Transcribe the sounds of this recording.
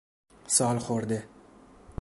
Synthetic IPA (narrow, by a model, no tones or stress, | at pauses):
sɒlˠχoɾd̪ɪ